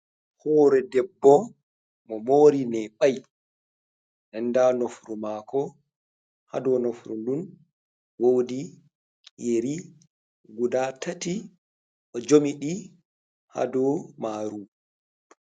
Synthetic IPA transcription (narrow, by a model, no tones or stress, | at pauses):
hɔːɾɛdɛbːɔ | mɔmoɾinɛɓaj | nɛndanofɾumaːkɔ | ha̰dɔnofɾundun | wowdi | jeɾi | ɡudatati | ʔɔd͡ʒomiɗi | ha̰dɔmaːɾu